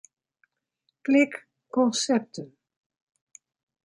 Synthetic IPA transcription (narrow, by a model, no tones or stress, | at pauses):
klɪk | kɔnsɛp̚tən